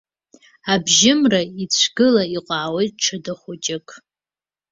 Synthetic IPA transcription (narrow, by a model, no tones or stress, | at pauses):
abʒɪmrait͡ɕʷʰɡɨlaiqʷʼaːwejtʼʈ͡ʂʰadɨχʷʊt͡ʃʼɪkʼ